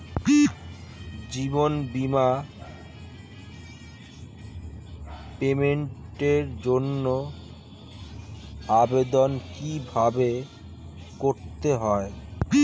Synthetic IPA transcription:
d͡ʑibonbima | pemeɳʈeɾd͡ʑonːo | abed̪onkibʱabe | koɾt̪eɦɔe

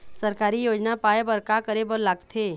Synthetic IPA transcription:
səɾkaːɾijoːd͡ʒnapaːebəɾkakəɾebəɾlaːɡt̪ʰeː

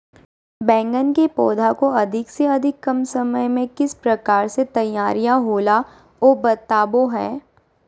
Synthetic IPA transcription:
bɛ̃ːŋɡənkepɔːd̪ʱakoɐd̪ʱɪkseɐd̪ʱɪkːɐmsɐməjmẽkɪspɾɐkaːɾset̪ɐjaːɾijãɦoːla | oːbɐt̪aːboɦɛː

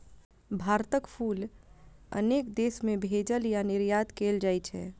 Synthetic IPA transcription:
bʱaɾt̪əkpʰul | ə̰nekd̪esmebʱed͡ʒəljanɪɾjat̪keld͡ʒajt͡ʃʰɛ̰

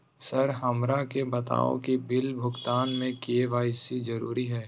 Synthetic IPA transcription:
sɐɾɦɐmɾakebɐt̪a̰ːõ̰kibɪlbʱʊɡt̪aːnmẽkieʋaːɪsizɐɾṵːɾiɦɛː

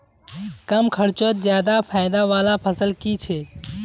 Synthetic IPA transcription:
kəmkʰəɾt͡ʃət̪̚d͡ʒjaːd̪apʰaːɪd̪aʋaːlapʰəsəlkit͡ʃʰe

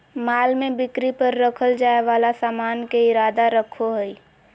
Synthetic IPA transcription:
maːlmẽbɪkɾipəɾːəkʰəld͡ʒaːeʋaːlasaːmaːnkeɪɾaːd̪aɾəkʰoɦɛi

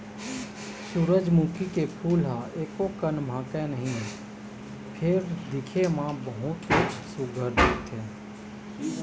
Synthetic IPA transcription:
suɾəd͡ʒmuːkikepʰuːlɦãeːkokənmʱãːkenəɦĩ | pʰɪɾd̪ɪkʰemãbəɦʊt̪esʊɡʱəɾd̪ɪt̪ɦɛː

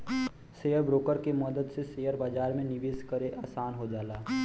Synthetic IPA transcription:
seːjəɾbɾoːkəɾkemɔd̪əd̪seseːjəɾbaːd͡ʒaːɾmẽnɪʋeːskəɾeʔaːsaːnɦod͡ʒaːlaː

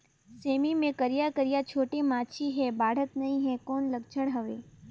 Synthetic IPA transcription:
semimẽkəɾijakəɾijat͡ʃʰoʈemãt͡ʃʰiɦɛbʱaːɽ̤ət̪nəɦĩɦɛkɔːnləɡt͡ʃʰəɽɦəʋe

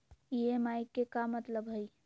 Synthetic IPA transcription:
iemajkːekamət̪ləbɦəj

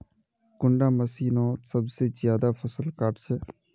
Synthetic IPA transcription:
kʊɳɖaːməsiːnõːsəbseːzjaːd̪aːfʰəsəlkəʈsɛː

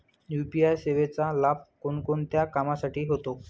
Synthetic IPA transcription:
jupiajseʋet͡salab̚konkont̪jakamasaʈiːɦot̪o

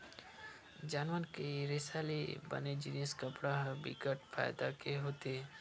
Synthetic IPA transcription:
d͡ʒaːnʋənkeɾeːsaːlḭbə̰ned͡ʒiniəskəpɽaɦbḭkəʈfʰa̰ːjd̪a̰keɦoːt̪eɛ

